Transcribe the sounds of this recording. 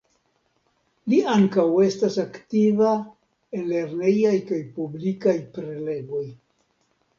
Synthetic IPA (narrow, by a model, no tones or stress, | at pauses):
liaŋkawe̞stasaktiva | enle̞ɾne̞jajkajpublikajpɾe̞le̞ɡo̞j